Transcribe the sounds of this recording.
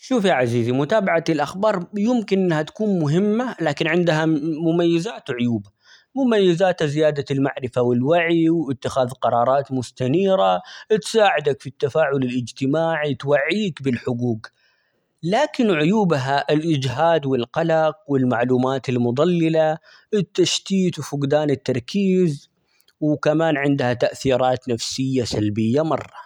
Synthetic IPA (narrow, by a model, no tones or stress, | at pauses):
ʃuːfjaʕaziːzimʊt̪aːbaʕaɪlʔaxbɑːɾˤjʊmkɪnʔɪnːhat̪ḁkuːnmʊɦɪmːalaːkɪnʕɪnd̪ɦamʊmajːazaːt̪ʕʊjuːba | mʊmajːazaːt̪azɪjaːd̪almaʕɾɪfawɪlwaʕiwɪt̪ːɪxaːðqɑɾˤɑːɾˤɑːt̪mʊst̪aniːɾat̪saːʕɪd̪akfit̪ːafaːʕʊlɪlʔɪd͡ʒt̪ɪmaːʕit̪waʕːiːkbɪlħʊɡuːɡ | laːkɪnʕʊjuːbɦaʔɪlʔɪd͡ʒɦaːd̪wɪlqɑlɑqwɪlmaʕluːmaːt̪ɪlmʊd̪ˤɑlːɪla | ɪt̪ːaʃt̪iːt̪wfʊɡd̪aːnɪt̪ːɑɾˤkʰiːz | wkamaːnʕɪnd̪hat̪aʔθiːɾˤɑːt̪nafsɪjːasalbɪjːamɑ̰rˤːɑ